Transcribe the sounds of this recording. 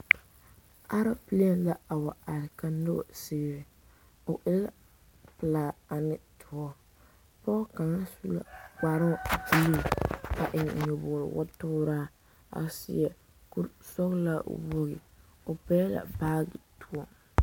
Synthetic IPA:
ʔa˦ɾa˦pi˦le˦˨nla˦a˨wa˨a˨ɾɪ˨ka˨no̰˦˨sɪː˨˦˨ɾɪ˨ | ʊ˨ʔɛ˦la˦ | pɨ˨laː˨a˨nɪ˦tʰʊ˨ɔ˦ | pɔ˦ka˨ŋa˦su˦la̰˨ka˨ɾʊ˦˨d͡ʒi˦li˦˨ka˨ʔɪ˨ŋ˨ɲɔ˨bʊ˨ɾɪ̰˨wʔɔ̰˦tʊ˦ɾaː˦ | a̰˨sɪ̰˦jɛ˨ | ku˦ɾsɔ˦ɣla̰˦wo˦ɣɪ˨ʊ˨pɛː˦la̰˨baː˦ɣɪ˨tʰu˦ɔ˦

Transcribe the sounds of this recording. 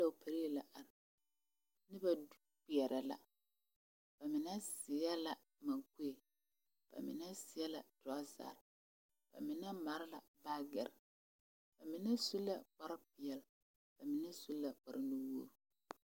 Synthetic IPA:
da˨ʊ˨pʰa˨ɾe˦˨la˨ʔa˨ɾ | nɪ˦ba˨ | pɪ˨ɛ˨ɾʔɛ˨la̰˨ | b̥a˨mɪ˨nɛ˦sɪ˨a˦la˨ | ma˨ku˦e˨ | b̥a̰˨mɪ̰˨nɛ˦sɪ˨jɛ˦la˨d̥ɔ˨a˦za̰ː˨ɾ | b̥a̰˨mɪ˨nɛ˦ma˨ɾɪ˦la˨ | baː˦ɡɛ̰˨ɾɪ˨ | b̥a˨mɪ˨nɛ˦su˦lːa̰˨k͡pa˦ɾɪ˦pɪ˨jɛ˨l | b̥a˨mɪ˨nɛ˦su˦la˨k͡pa˨ɾɪ˦nu˦woː˦ɾ

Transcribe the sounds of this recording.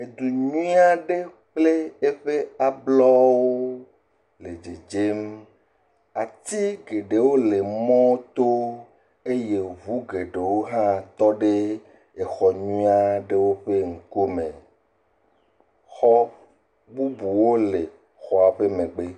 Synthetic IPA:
e˨d̪u˨ɲũ˦a˦ɖe˦ | k͡ple˦e˦ɸe˦a˨blɔ˦wo˦ | le˨d͡ʒe˨d͡ʒe˦m | a˨t̪i˦ɡe˨ɖe˨wo˦le˨mɔ̃˦wo˦t̪o˦ | e˦je˨ɦu˦ɡe˨ɖe˨wo˦ɦã˦t̪ɔ˦ɖe˦ | e˨xɔ˨ɲũ˦a˦ɖe˦wo˦ɸe˦ŋ̩˨ko˦mḛ̃˨ | xɔ˦ | bu˦bu˨wo˦le˨ | xɔ˨a˨ɸe˦mẽ˨ɡ͡be˦

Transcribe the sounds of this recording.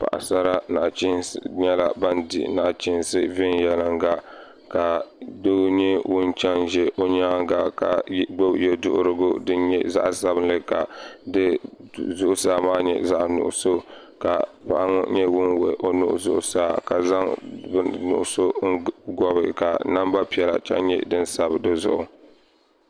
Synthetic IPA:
pa̰˨ʔa̰˨sa˦ɾa˦na̰˨ʔt͡ʃi˦nsɲɛ˦la˨ba˦ndɪ̰˨na˨ʔt͡ʃɪ˦n˦sɨ˦vɪ˦njɛ˦lɨ˦ŋɡa˦ | ka˨do˦ɡɲɛ˦wʊ˦nt͡ʃa˦nʒɛ˦ʔo˦ɲaː˦ŋɡa˨ka̰˨˦ɡ͡bo˦bjɛ˦dʊ̰˦ʔʊ˦ɾɨ˦ɡʊ˦dɨ˦ɲɛ˦za̰˦ʔsa˦bɨ˦n˦lɨ˦ka˨dɨ˦zʊ˦ʔʊ˦saː˦maː˦ɲɛ̰˨za˦ʔnʊ̰˨ʔʊ˨so˦ | ka˨pa̰˨ʔa˦ŋʊ̰˦ɲɛ˦wʊ˦nwɛ˨ʔo˦nʊ̰˦ʔʊ̰˨zʊ˦ʔʊ̰˨saː˦ka˨za˦ŋ˦ | nʊ̰˨ʔʊ˨so˦ŋɡɔ˦bɪ˨ka˨na˦mba˦pi˦ɛ˨la̰˨t͡ʃa̰˦ɲɛ̰˦dɨ˦nsa˦bdɨ˦zʊ̰˦ʔʊ̰˨

